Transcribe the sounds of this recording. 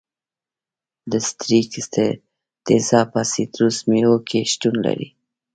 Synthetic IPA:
d̪əst̪ɾikst̪e | t̪ezɑpasit̪ɾusmiokʰeʃʈ̪unla̰ɾḭ

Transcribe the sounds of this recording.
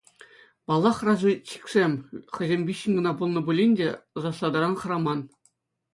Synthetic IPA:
pɑlˠːɑχrɑʐɤt͡ɕi̥kʲsʲemʲχʲɘ̆zʲemʲbʲiɕːɘ̆nʲɡɤ̆nɑbulˠnɤ̆bulʲinʲdʲeɤ̆zɑslˠɑd̪ɑɾɑnχɤ̆ɾɑmɑn

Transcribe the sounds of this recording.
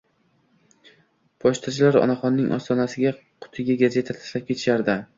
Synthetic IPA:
pʰɒʃt̪ʰat͡ʃʰɪlaɾɒ̰naχɒnːɪŋʔɒ̰st̪ʰɒnasɪɡʲa | qʰʊ̥t̪ʰɪɡʲaɡaze̞t̪ʰat̪ʰḁsap̚kʲʰe̞t̪ʰɪ̥ʃaɾd̪ɪ

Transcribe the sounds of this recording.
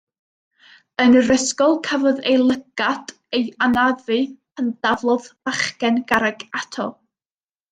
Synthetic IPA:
ənrəskɔlˠkʰavɔðejlˠəɡ̥ad̥ | ejanaðɨpʰəndavlˠɔðbaχkɛnɡaɾaɡatʰɔ

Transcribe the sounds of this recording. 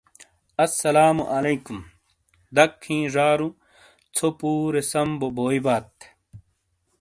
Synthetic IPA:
ɐsːɐlaːmuʔɐlejkum | d̪ɐkʰːĩːʐaːɾu | t͡sʰopuːɾesɐmboboːjbaːt̪

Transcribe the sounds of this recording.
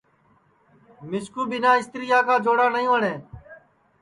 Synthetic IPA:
mɪskuːɓɪnãːɪst̪ɾɪjaːkaːd͡ʒoːɽaːnəĩːəɳẽː

